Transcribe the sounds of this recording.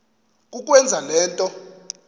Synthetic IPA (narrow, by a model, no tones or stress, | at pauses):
k̬ʼuk̬ʼwɛnd͡zʱalɛːntʼɔ